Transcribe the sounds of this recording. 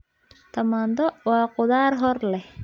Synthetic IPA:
t̪ɐmand̪ɔwaːqʊðaːɾɦɔɾlɛ

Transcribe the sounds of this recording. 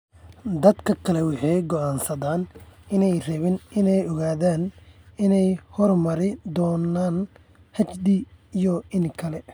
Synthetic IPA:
d̪ɐd̪kʰɐkʰɐlɛwɑħɛjɡɔʔaːnsɐðaːnɪnɛjrɛβɪnɪnɛjɔɣaːðaːnɪnɛjhɔrmɐɾɪd̪ɔːnaːn | hɐt͡ʃd̪iːjɔɪŋkʰɐlɛ

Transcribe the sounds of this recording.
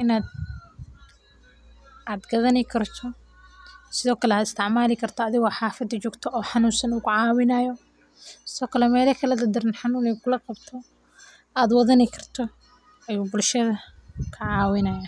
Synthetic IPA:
ʔɪnaːd̪ | ad̪ɡɐðɐnɛkʰɐrt̪ʰɔ | sɪðɔːkʰɐlɛhɐd̪ɪst̪ʰɪʕmaːlɪkʰɐrt̪ʰɔɐðɪɣɔħaːfɐd̪ɪt͡ʃɔːɡt̪ʰɔʔɔːħɑnuːnsɐnʊkʊʕaːwɪnajɔ | sɪðɔːkʰɐlɛmɛːlɐkʰɐlɐd̪ɐd̪ɪɾɪnħɑnuːnɛjkʰʊlɐqɑbt̪ʰɔ | aːd̪wɐðɐnɛkʰɐrt̪ʰɔ | ɐjuːbʊlʃɐðɐkʰɐʕaːwɪnɐjaː

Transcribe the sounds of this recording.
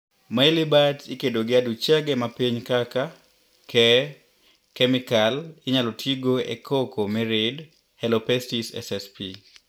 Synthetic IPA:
mailɪbatikedoɡɪadut͡ʃaɡɛmapiɲkaka | kʰɛ | kɛmikalɪɲalotʰiɡoḛkʰokomiɾɪd | hɛlopɛstisɛ̰sɛspi

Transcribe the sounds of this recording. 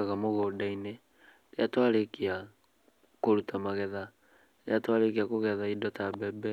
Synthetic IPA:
aɣamoɣodaine | leatwalekia | koɾutamaɣɛða | leatwaɾek̬iakoɣɛðaidɔtabɛbɛ

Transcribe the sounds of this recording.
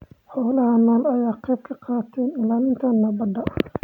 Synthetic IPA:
ħɔːlɐɦɐnɔːlɐjaːqɛjb̚kʰɐqɑːt̪ʰɛːnɪlaːlɪnt̪ʰɐnːɐbɐd̪ɐ

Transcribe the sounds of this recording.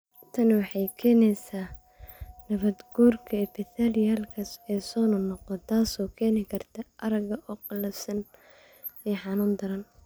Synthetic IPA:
t̪ʰɐnwɑħɑjkʰɛːnɛjsaː | nɐβɐd̪ɡuːrkʰɐɪbɪθaljaːlkʰɐsɛːsɔːnʊnɔqɔt̪ʰaːsɔːkʰɛːnɪkʰɐrt̪ʰɐʔɐɾɐɡɐʔɔːqɑlɐfsɐn | ɛːħɑnʊːnd̪ɐɾɐn

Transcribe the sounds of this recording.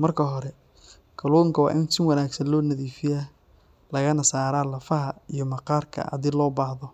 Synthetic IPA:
mɐrkʰɐɦɔɾɛ | kʰɐlɔːŋkʰɐwɑ̰ːʔɪnsɪnwɑnaːɡsɐnlɔːnɐðiːfɪja | lɐɣɐnɐsaːɾaːlɐfɐɦɐijɞmɐqɑːrkʰɐ̰ʔɑ̰d̪ɪlɔːbaːhðɔ

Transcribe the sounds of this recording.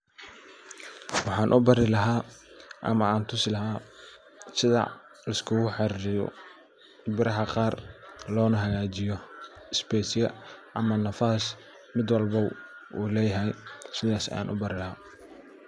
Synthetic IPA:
wɑħɑːnʔʊbɐɾɪlɐɦaːʔɐ̰mɐaːnt̪ʰʊsɪlɐɦaː | sɪðɐ̰ | lɐskʰʊɣʊħɑrɪjɔ̰ | bɪɾɐɦɐqɑːrlɔːnɐɦɐɣaːt͡ʃɪjɔɪsbɛːsɪɐʔɐmɐnɐfaːs | mɪd̪wɑlbɐuːlɛːjɐɦɛjsɪðaːsja̰ːnʔʊ̰bɐɾɪlɐhaː

